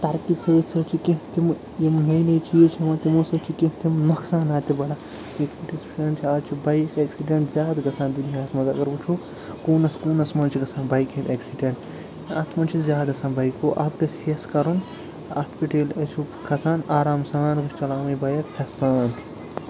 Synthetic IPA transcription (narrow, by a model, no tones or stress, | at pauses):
t̪ɐɾkisɐːsʰɐt͡ʃʰikĩɦt̪im | jimnɐjnɐjt͡ʃʰiet͡ʃʰimaːt̪imosɐt͡ʃʰikĩɦt̪imnɐksaːnaːt̪ibɐla | it̪ʰpiʈisu̥t͡ʃʰɐːnt͡ʃʰiaːt͡ʃʰibɐjkeːksiɖeɳʈzʲjaːd̪ɡɐsãːnd̪uliɦaːt̪mɐzɐɡɐɾbut͡ʃʰu | kuːnɐskuːnɐsmɐnt͡ʃʰiɡɐsaːnbɐjkʰet̪ɐksiɖeɳʈ | ɐst̪ʰmɐnt͡ʃʰizjaːd̪ɡɐsaːnbɐjkoːʔɐ̰t̪ʰɡɐt͡ʃʰheskɐɾun | ɐ̰t̪ʰpiʈeːlɐt͡ʃʰukɐsaːnaːɾaːmsaːnɡɐt͡ʃʰt͡ʃɐlaːmɐjbɐjɐkpʰɐsaːnt̪ʰ